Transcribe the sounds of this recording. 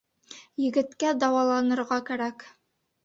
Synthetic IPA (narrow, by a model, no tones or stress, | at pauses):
jɘ̆ɡɘ̆t̪kæd̪ɑwɑlˠɑnɤ̆ɾʁɑkæɾæk